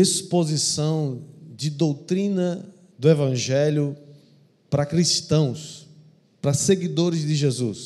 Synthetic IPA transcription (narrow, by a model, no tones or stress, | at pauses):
ispozisɐ̃w̃d͡ʒɪd̪owt̪ɾĩnɐ | d̪ʊevɐ̃ʒɛljʊ | pɾɐkɾiʃt̪ɐ̃w̃s | pɾɐseɡid̪oɾɪzd̪ɪʒezus